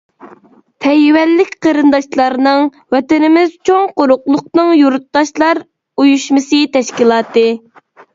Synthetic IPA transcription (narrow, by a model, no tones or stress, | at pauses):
t̪ʰɛjwɛlːɪkʲqʰəɾɨnd̪ɑʃlˠɑɾnɨŋ | wɛt̪ɪnɪmɪzt͡ʃʰoŋqoɾʊqlˠʊqnɨŋjuɾut̪ːɑʃlˠɑɾ | ujuʃmɨsɨt̪ʰɛʃkʲilˠɑːt̪ɨ